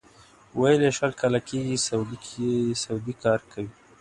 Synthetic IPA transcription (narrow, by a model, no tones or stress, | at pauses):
wajleʃalkɑlakeɡisad̪sawd̪ikɑɾkʰawi